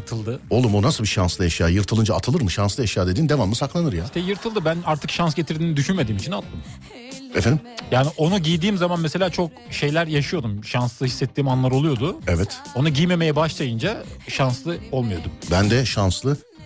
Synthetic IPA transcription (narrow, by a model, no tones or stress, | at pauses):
t̪ʰɯlˠd̪ɯo̞lˠumonasɯlˠbiʃanslˠɯjaʃɯjaːjɯɾt̪ʰɯlˠɯnd͡ʒaːt̪ʰɯlˠɯɾmɯʃanslˠɯeʃjaːd̪ed̪iːnd̪e̞vamːɯsaklˠanɯɾjast̪ejɯɾt̪ʰɯlˠd̪ɯbænaɾt̪ʰɯkʃansɟe̞t̪ʰiɾd̪iːnid̪yʃynme̞d̪iːmit͡ʃʰinat̪ʰlˠɯm | ɛfɛnd̪imjaːniʔo̞nuɟijd̪iːmzamanmese̞lʲaːt͡ʃʰo̞k | ʃe̞jlʲæɾjaʃɯjo̞d̪umʃanslˠɯhisːɛt̪ʰːiːmanlˠaɾolˠujo̞d̪ʊɛvɛt̪o̞nuɟijme̞me̞jɛbaʃlˠajɯnd͡ʒaʃanslˠɯo̞lˠmujo̞d̪umbænd̪ɛʃanslˠɯ